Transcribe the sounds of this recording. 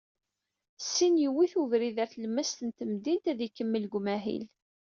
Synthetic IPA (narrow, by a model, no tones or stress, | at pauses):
sːinjəwiθuvɾiðæɾθləmːæst̪ənt̪əmd̪int̪æðikːəmːəlɡʷmæɦḭl